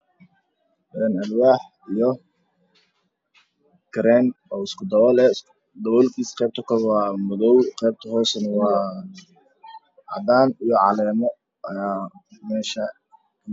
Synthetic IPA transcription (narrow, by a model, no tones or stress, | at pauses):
ʔɛːnɐlwaːħ | ijɔ | kɾɛːnɔːɪskʰʊd̪ɐwɔlɛ | d̪ɔwɔlkʰiːsqɛjb̚t̪ʰɐkʰɔwɑːmʊðɔwqɛːb̚t̪ʰɐɦɔːsɐnɐwɑː | ʕɑd̪aːnijɔʕɑlɛːmɔ | ɐjaːmɛːʃɐ